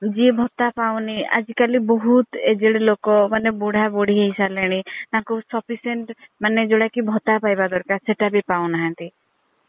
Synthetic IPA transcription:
d͡ʒiebʱɔt̪apawnia̰d͡ʒikalibɔɦut̪ed͡ʒeɽelokɔmaneboɽ̤ʱaboɽ̤iɦeisaleɽ̃inakɔsɔpiseɳʈmaned͡ʒoɽakibʱɔt̪apajbad̪ɔɾkaseʈabipawnaɦãnt̪i

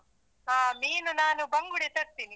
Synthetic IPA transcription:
ɦaːmiːnunaːnubɐŋɡuɽit̪ɐɾt̪iːni

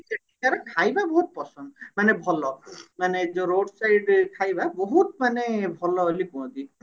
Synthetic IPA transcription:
seʈikaɾakʰajbabɔɦut̪̚pɔsɔnd̪manebʱɔlɔmaned͡ʒoɾoɖsajɖkʰajbabɔɦut̪manebʱɔlɔolikuɽ̃ɔ̃d̪i

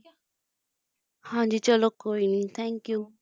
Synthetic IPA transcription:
hãnd͡ʒit͡ʃɔlokoinit̪ʰɛ̃ŋkju

